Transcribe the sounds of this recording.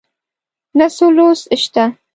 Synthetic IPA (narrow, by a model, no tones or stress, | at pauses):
nasolosəʃt̪a